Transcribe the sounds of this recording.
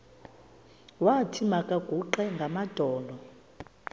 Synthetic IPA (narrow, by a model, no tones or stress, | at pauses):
watʰimakʼaɡ̥ʱuǃɛŋɡʱamad̥ʱɔːlɔ